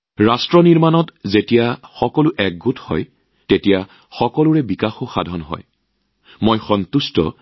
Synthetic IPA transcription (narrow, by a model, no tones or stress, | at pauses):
ɹastɹɔniɹmanɔtzetijaxɔkɔlʊʔɛk̚ɡutʰhɔ̰j | tetija | xɔkɔlʊɹɛbikaxoxa̰dʱɔnɦɔ̰j | mojxɔntustɔ̰